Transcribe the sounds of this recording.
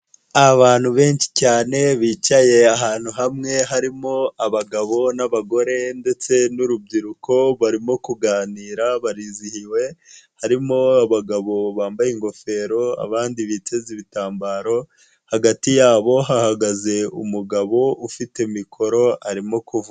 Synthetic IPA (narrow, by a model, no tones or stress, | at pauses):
aβaːn̥huβe̞ːnʃi̥caːne̞βiːcaje̞aɦaːn̥huɦamŋe̞ɦaɾimo̞aβaɡaβo̞naβaɡo̞ɾe̞nde̞t͡se̞nuɾub̚ɡiɾukʰo̞βaɾimo̞kuɡaːniːɾaβaɾiːzihiwe̞haɾimo̞aβaɡaβo̞βaːmbajeŋɡo̞fe̞ːɾo̞a̰βaːndiβiteziβitaːmbaːɾo̞ | haɡatijaːβo̞ɦahaɡaze̞ṵmuɡaβo̞ufite̞mikʰo̞ɾo̞aɾimo̞kuvu